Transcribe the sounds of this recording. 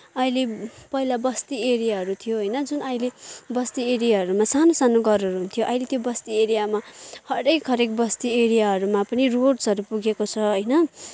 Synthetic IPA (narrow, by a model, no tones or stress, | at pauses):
ʌjlepʌɦilabʌst̪ieɾijaɦʌɾut̪ʰijoɦʌjnʌd͡zunʌjlebʌst̪ieɾijaɦʌɾumasanosanoɡʌɾʌɾuɦunt̪ʰijoʔʌjlet̪jobʌst̪ieɾijamahʌɾekɦʌɾekbʌst̪ieɾijaɦʌɾumapʌniroɖsʌɾupuɡekot͡sʰʌɦʌjnʌ